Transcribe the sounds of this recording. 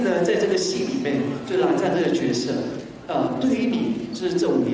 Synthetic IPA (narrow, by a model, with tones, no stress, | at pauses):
nə˨t͡sa˥˧ɪʈ͡ʂɤ˥˩ɡə˩ɕi˥nli˨˩mjɛ˥˩nt͡ɕo˥˩˥la˧˥nt͡sa˥˧ʈ͡ʂɤ˥˩ɡə˩t͡ɕɥɛ˧˥sɤ˥˩ | ə˧t̪we˥˩ɪ˥ni˨˩˦t͡ɕo˥˧ʊ˥ʂɻ̩˥˧t͡sɤ˥˩u˨˩˧